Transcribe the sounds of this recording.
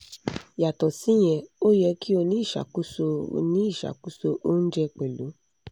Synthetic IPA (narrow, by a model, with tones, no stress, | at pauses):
ja˨tɔ˨si˨˦j̃ɛ̃˧o˦jɛ˧ki˦o˧nĩ˦i˦˨ʃa̰˨ku˦so˧nĩ˨˦i˦˨ʃa̰˨ku˦so˧ʔo˦n̩˦d͡ʒɛ˧k͡pɛ˨lo˨˦